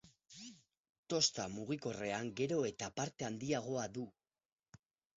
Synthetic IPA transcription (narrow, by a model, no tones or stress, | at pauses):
t̪o̞st̪amuɣiko̞re̞aŋɡe̞ɾo̞e̞t̪apaɾt̪e̞and̪iaɣ̞o̞aðu